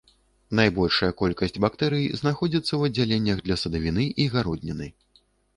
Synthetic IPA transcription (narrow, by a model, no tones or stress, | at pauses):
najbɔlʲʂɐjɐkɔlʲkɐsʲt͡sʲbak̚t̪ɛɾɨjznaxɔd͡zʲit̪sːɐwɐd͡zʲːalʲenʲːɐɣd̪lʲɐsɐd̪ɐvʲinɨʔiɣaɾɔd̪̚ʲnʲɐnɨ